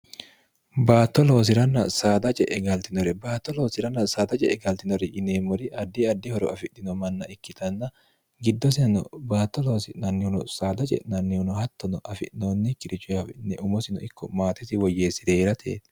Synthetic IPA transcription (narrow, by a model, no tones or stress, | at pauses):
baːt̪ːɔlo̞ːs̬ɪɾɐnːɐsaːd̪ɐt͡ʃʼɛʔɛɡɐlt̪ɪnɔɾɛbaːt̪ːɔlo̞ːsɪɾɐnːɐsaːd̪ɐt͡ʃʼɛ̰ʔɛɡɐlt̪ɪnɔɾɛʔɪneːmːɔɾɪʔɐd̪ːiɐd̪ːɪhɔɾɔ̰ɐfɪᶑːɪnɔmɐnːɐɪkːɪt̪ɐnːɐ | ɡɪd̪ːɔs̬ɪnɐnɔ̰baːt̪ːɔlo̞ːsɪnɐnːɪʊnɔsaːd̪ɐt͡ʃʼɛ̰ʔnɐnːɪhʊnɔhɐt̪ːɔnɔʔɐfɪ̰ʔnoːnːɛkːɪɾɪt͡ʃːʊɐfɪnːɛʔʊmɔsɪnɔɪkːɔmaːt̪ɪsɪwɔjːeːsːɪd̪eːɾɐt̪ʰḛːt̪